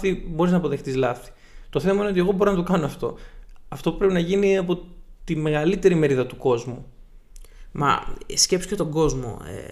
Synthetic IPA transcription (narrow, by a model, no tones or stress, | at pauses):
θibo̞ɾiznɐpoðe̞xt̪izlɐθi̥ | t̪o̞θe̞mɐineot̪̬e̞ɣo̞bo̞ɾinɐt̪o̞kɐnoɐft̪o̞̰ɐft̪o̞pu̥pɾepinɐʝiniɐpo̞t̪ime̞ɣɐlit̪e̞ɾime̞ɾiðɐt̪uko̞zmu | mɐ̰scepsu̥cet̪o̞ɡo̞zmo̞̰ḛ